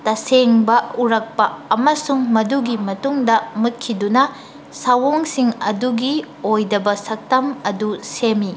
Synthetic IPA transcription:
tɐseŋbɐuɾɐk̚pɐːmɐsuŋmɐduɡimɐtuŋdɐmut̚kʰidunɐ | sɐwoŋsiŋɐ̰duɡi | ojdɐbɐsɐk̚tɐmɐdusemi

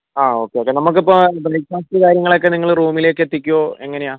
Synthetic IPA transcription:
aːo̞ːkːeoːkːenɐmuk̬ːipːobrɐjkaːst̪ɨkaːɾjɐŋːɐɭo̞kːe̞niŋːɐɭruːmile̞ːkːet̪ːikʲːuoːe̞ŋːɐne̞jaː

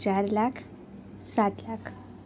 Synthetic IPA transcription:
t͡ɕaɾlakʰ | sat̪lakʰ

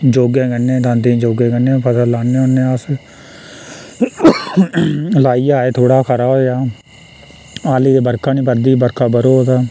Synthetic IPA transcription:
d͡ʒoːɡẽːkənːẽːd̪ãːnd̪ẽːd͡ʒoːɡẽːkənẽːpʰət̪əlaːnẽːʊnːeːəs | laːiːaːeːt̪ʰoːɽaːkʰəɾaːoːaː | aːliːd̪eːbəɾkʰaːnĩːpəɾd̪iːbəɾkʰaːbəɾoːt̪aː

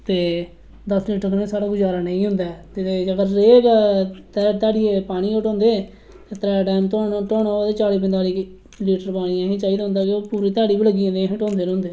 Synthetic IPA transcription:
t̪eː | d̪əsliːʈəɾknẽːsaːɽaːɡʊd͡ʒaːɾaːnə̃ːĩːɦʊ̃nd̪aːt̪eəɡəɾːeːkːt̪ɛːt̪aːɽieːpaːɽ̃iːkəʈõːnd̪eː | t̪eːt̪ɾɛːɖɛːmt̪oːʈoːnaːaːd̪eːt͡ʃaːɽiːpənd̪aːliː | liːʈəɾpaːɽ̃iːãːɦĩːt͡ʃaːiːd̪aːɦʊ̃nd̪aːkɪoːpuːɾiːt̪aːɽiːbiːləɡĩːnd̪ẽɦə̃ʈõːnd̪eːnʊ̃nd̪eː

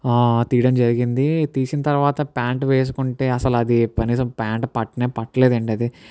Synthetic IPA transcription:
t̪iːɽɐmd͡ʒɐɾiɡind̪it̪iːsinɐt̪ɐɾʋaːt̪ɐpaːɳʈʋeːs̬u̥kuɳʈe̞ːɐsɐlɐd̪ikɐniːsɐmpaːɳʈpɐʈːɐneːpɐʈːɐle̞ːd̪ɐɳʈɐd̪i

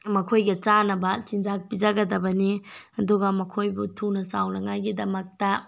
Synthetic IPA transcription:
mɐkʰojɡɐt͡ʃanɐbɐt͡ʃind͡ʒak̚pid͡ʒaɡɐdɐbɐniɐduɡɐmɐkʰojbutʰunɐsawnɐŋajɡidɐmɐk̚tɐ

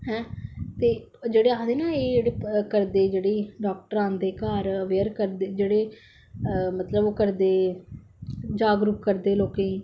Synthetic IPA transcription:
ɦɛ̃ːt̪eː | d͡ʒeːɽeːaːd̪eːnaːeːd͡ʒeːɽeːkəɾd̪eːd͡ʒeːɽeːɖaːk̚ʈəɾãːnd̪eːkaːɾəʋeːəɾkəɾd̪eːd͡ʒeːɽeː | mət̪ləboːkəɾd̪eː | d͡ʒaːɡɾuːp̚kəɾd̪eːloːkeː

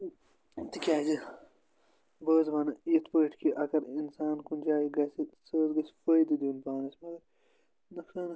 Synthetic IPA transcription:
t̪ikʲaːzi | bəːzbɐnɐit̪ʰpəːʈkiʔɐkɐɾinsaːnkund͡ʒaːiɡɐsisəːzɡɐsfəjd̪id̪unpaːnɐsmɐɡɐɾ | nɐkaːnɐ

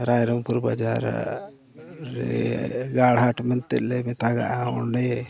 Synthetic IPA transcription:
ɾajɾɔmpuɾba̰d͡ʒa̰ɾ | ɾɛ̰ɡaɽ̤aʈmɛnt̪ɛt̪̚lɛmɛt̪aɡa̰ʔaɔɳɖɛ

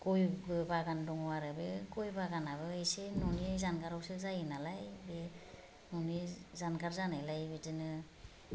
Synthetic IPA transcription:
kɔjɡɯbaɡandɔŋɔwaɾɯbekɔjbaɡanaβɯejsenɔniɯjzanɡaɾɔwsezajɯnalajbe | nɔnizanɡaɾzanajlajbetɯnɯ

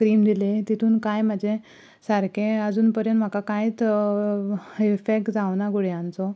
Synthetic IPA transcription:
kɾiːmd̪ilet̪it̪ʰuːnkajm̤ad͡ʑʱẽ | saɾkẽəd͡zuːnpəɾjə̃nt̪m̤akakajt͡s | ifek̚ʈd͡zaʋnaɡuɽjãnt͡sɔ

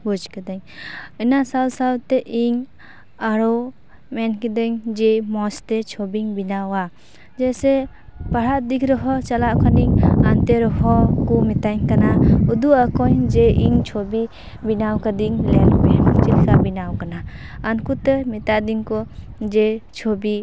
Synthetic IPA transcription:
bud͡ʒkadaŋɯnasawsawteʔiŋ | aɾɔ | mɛnkidɯŋd͡ʒemɔstet͡ʃʰɔbiŋbinawa | d͡ʒese | paɾaʔdikʰɾɔɦɔt͡ʃalaʔkʰaniŋanteɾɔhɔkumitajŋkanauduakɔjd͡ʒeʔiŋt͡ʃʰɔbi | binawkadiŋlelbemt͡ʃilkʰabinawkanaː | nkutemitadiŋkɔd͡ʒet͡ʃʰobi

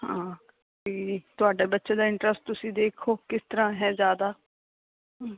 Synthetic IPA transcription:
hãː | d͡ʒiːt̪ʊaːɖeːbətːʃẽːd̪aːɪɳʈɾəsʈ̚t̪ʊsĩːd̪eːkʰoːkɪst̪əɾãːɦɛ̃ːzjaːd̪aː

